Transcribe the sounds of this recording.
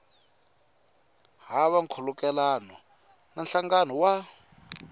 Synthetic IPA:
ɦaβaŋkʰɔlukɛlanɔ | nanɬaŋɡanɔwa

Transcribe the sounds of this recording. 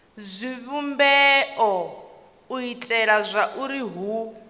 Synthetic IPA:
zʷiβumbɛʔɔ | uitʼɛɺazʷaʔuɾiɦu

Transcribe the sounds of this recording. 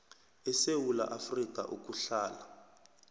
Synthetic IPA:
ɛsewula̰ʔafrik̬ʼa̰ʔuk̬ʼuɬaːla

